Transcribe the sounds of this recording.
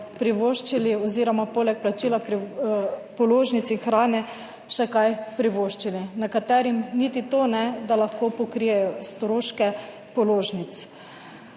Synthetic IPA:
pɾiʋoʃt͡ʃiliɔziːɾɔmapoːlɛk̚plat͡ʃiːlapɾi | pɔloːʒnit̪sinxɾaːnɛ | ʃɛkajpɾiʋoːʃt͡ʃilinakat̪ɛɾimniːt̪it̪oːnɛd̪alaxkoːpɔkɾijɛjɔst̪ɾoːʃkɛ | pɔloːʒnit̪s

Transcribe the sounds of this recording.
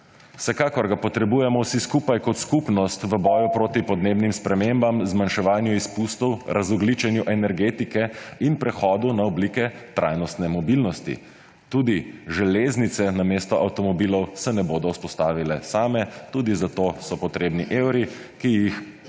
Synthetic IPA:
wsɛkaːkɔɾɡapɔt̪ɾɛbuːjɛmɔwsiskupajkɔt̪skupnɔst̪ʋəbɔːjupɾoːt̪ipɔd̪neːbnimspɾɛmembamzmanʃɛʋaːnjuispust̪ɔwɾʔazɔɡlit͡ʃɛnjuʔɛnɛɾɡeːt̪ikɛinpɾɛxɔːd̪unaɔbliːkɛt̪ɾʔajnɔst̪nɛmɔbilnɔst̪ḭ | t̪uːd̪iʒɛleːznit̪sɛnameːst̪ɔʔawt̪ɔmɔbiːlɔwsɛnɛboːd̪ɔwspɔst̪aːʋilɛsaːmɛt̪uːd̪izat̪osɔpɔt̪ɾeːbniʔewɾi | kijix

